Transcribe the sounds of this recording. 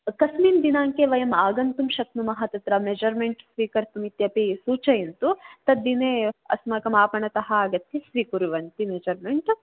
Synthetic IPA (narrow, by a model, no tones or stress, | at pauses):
kɐsmiːnd̪inaːŋkeʋɐjɐmaːɡɐnt̪umʃɐk̚numɐɦɐt̪ɐt̪ɾɐmed͡ʒɐɾmeɳʈsʋiːkɐɾt̪umit̪jɐpisuːt͡ʃɐjɐnt̪ut̪ɐd̪ːineːɐ̰smɐkɐmaːpɐɳɐt̪ɐɦɐːɡɐt̪ːisʋiːkuɾuʋɐnt̪imed͡ʒɐɾmeɳʈ